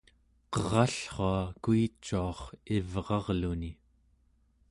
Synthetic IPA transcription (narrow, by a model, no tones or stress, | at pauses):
qʌʁɑɬχɑːkuit͡ʃːuɑχivʁɑʁluni